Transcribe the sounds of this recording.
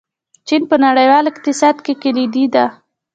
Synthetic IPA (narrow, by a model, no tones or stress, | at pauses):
t͡ʃinpənaɽəjwɑlɪqt̪ɪsɑd̪kekalid̪id̪a